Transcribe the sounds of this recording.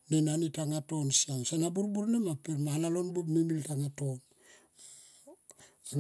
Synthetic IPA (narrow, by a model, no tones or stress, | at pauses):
nenanitaŋato̞nsamsanabuɾbuɾnemapemalalo̞nbumimiltaŋato̞n